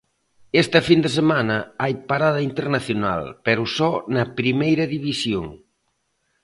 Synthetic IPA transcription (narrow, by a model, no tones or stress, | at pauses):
est̪ɐfind̪esemanɐajpaɾaðɐint̪eɾnaθjona̰lpeɾʊsɔnɐpɾimejɾɐðiβisjo̰ŋ